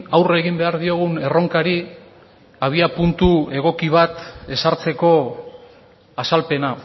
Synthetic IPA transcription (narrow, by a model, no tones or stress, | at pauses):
awre̞ɣimbe̞aɾðio̞ɣ̞une̞ro̞ŋkaɾi | aβ̞iapunt̪ue̞ɣ̞o̞kiβ̞at̪e̞saɾt͡se̞ko̞ | asalpe̞na